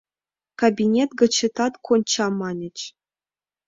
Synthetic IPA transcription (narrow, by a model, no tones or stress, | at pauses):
kabʲinʲet̪ɡɤ̆t͡ɕːɘ̆t̪ɑt̪kʰonʲt͡ɕɑmɑnʲɘ̆t͡ɕ